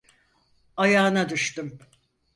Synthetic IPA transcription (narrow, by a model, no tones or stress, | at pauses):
ajaːnad̪uʃt̪ɯm